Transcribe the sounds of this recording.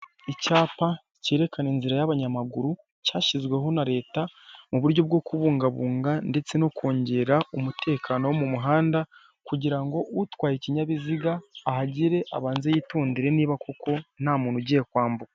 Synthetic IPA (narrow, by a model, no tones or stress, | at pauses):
icaːpa | ceɾe̞kaneːnziɾajaβaɲamaɡuɾu | caːʃizɡwe̞ɦo̞naɾe̞ːtamuβuɾɟo̞b̚ɡo̞ːkuβuːŋɡaβuːŋɡande̞t͡se̞no̞kʰo̞ːɲɟe̞ɾaumutʰe̞ːkʰaːno̞womumuɦaːnda | kuɟiɾaŋɡo̞utwaːjeciɲaβiziɡaːhaɟiɾe̞ʔa̰βaːnzejiːtuːndiɾe̞niːβako̞ko̞nhamuːnuɟijekwaːmbuka